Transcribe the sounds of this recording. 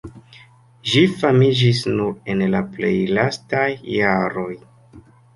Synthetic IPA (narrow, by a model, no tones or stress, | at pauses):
ʒifamid͡ʒisnuɾe̞nlaple̞̰jlastajːaɾo̞j